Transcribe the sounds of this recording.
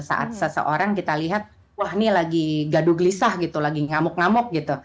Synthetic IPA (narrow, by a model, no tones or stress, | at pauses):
sa̰ʔa̰t̪̚səsə̰ʔoɾaŋkit̪aliɦat̪̚ | wahnilaɡiɡaduɡəlisahɡit̪ulaɡiŋamʊk̚ŋamʊk̚ɡit̪u